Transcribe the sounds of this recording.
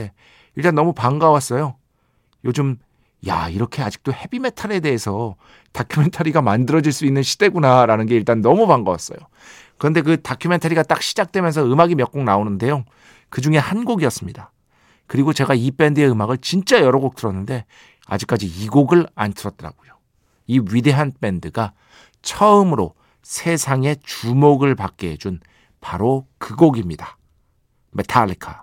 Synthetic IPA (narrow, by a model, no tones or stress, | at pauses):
e | iɭt͈anːʌmupaŋɡawas͈ʌjo | jod͡ʑɯm | ja̰iɾʌkʰe̞ad͡ʑi̥k̚t͈ohe̞bime̞tʰaɾe̞de̞ɦːsʰʌ | tʰakʰjume̞ntʰaɾiɡamandɯɾʌd͡ʑiɭs͈uinːɯnɕʰi̥de̞ɡunaɾanɯnɡe̞iɭt͈anːʌmupaŋɡawa̰s͈ʌ̰jo | kɯɾʌnde̞k̬ɯtakʰume̞ntʰaɾiɡat͈ak̚ɕʰid͡ʑak̚t͈we̞mjʌns̬ʰʌɯmaɡimjʌk͈̚oŋnaonɯnde̞jo | kɯd͡ʑuŋe̞hanɡoɡiʌs͈ɯmɲida | kɯɾiɡot͡ɕe̞ɡaip͈e̞ndɯe̞ɯmaɡɯɭt͡ɕint͡ɕ͈ajʌɾʌɡok̚t͈ɯɾʌnːɯnde̞ | a̰d͡ʑik͈ad͡ʑiiɡoɡɯɭa̰ntʰɯɾʌt̚t͈ʌɾa̰ɡojo | iɥide̞ɦanp͈e̞ndɯɡa | t͡ɕʰʌɯmɯɾo | sʰe̞sʰaŋe̞t͡ɕumoɡɯɭpak̚k͈ed͡ʑun | paɾokɯɡoɡimɲida | metʰaɭːikʰa̰